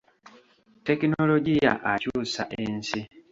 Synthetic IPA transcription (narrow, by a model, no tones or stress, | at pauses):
te̞kino̞lo̞ɟija̰ʔacuːsaʔe̞nsi